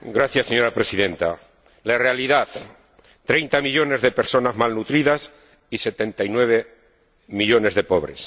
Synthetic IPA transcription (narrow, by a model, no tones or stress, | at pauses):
ɡɾaθjasːeɲo̞ɾapɾesiðe̞nt̪a | larealiðaθ | t̪ɾejnt̪amiʎo̞ne̞zðepe̞ɾso̞nazmalnut̪ɾiðas | ise̞t̪e̞nt̪ajnwe̞βe | miʎo̞ne̞zðe̞po̞βɾes